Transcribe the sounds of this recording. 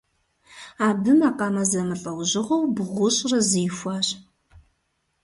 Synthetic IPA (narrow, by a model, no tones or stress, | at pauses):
aːbɨmaːqɑːmɐzɐmɨɬʼɐwʑɪʁɐwbɨʁʷʊɕʼrɐzijxʷaːɕ